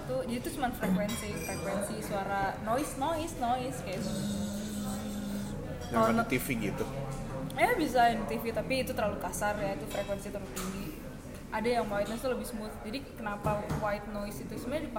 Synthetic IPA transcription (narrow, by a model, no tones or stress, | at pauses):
t̪ud͡ʒadit̪usəmananfɾekwɛnsifɾekwɛnsisuaɾanoɪsnoɪsnoɪskajaʔzum | nois | ɡɔanat̪ifiɡit̪u | jabis̬ainit̪ifit̪apiːt̪ut̪əɾlalukasarjait̪ufɾekwɛnsit̪əɾut̪iŋɡi | ʔadajaŋwait̪̚nɔist̪uləbɪhsmuθd͡ʒadikənapawaɪt̪̚noɪsit̪usəmuɲadip